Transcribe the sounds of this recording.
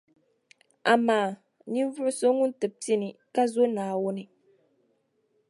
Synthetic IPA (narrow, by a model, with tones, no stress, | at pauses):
a˨maː˨ | ni˦n˦vʊ˦ʔʊ˦so˦ŋu˦n̩˦tɨ˨p̚ti˦ni˨ka˦zo˦naː˨wo˦ni˨